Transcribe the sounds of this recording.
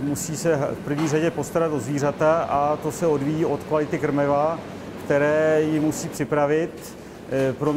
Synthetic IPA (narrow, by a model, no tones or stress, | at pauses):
musiːsɛfpr̩vɲiːraɟɛpo̞st̪aɾat̪ozviːr̝at̪aʔat̪o̞sɛo̞dvijiːʔo̞t̪kvalɪt̪ɪkr̩mɛva | kt̪ɛɾɛːjɪmusiːpr̥ɪpɾavɪt̪ | pɾom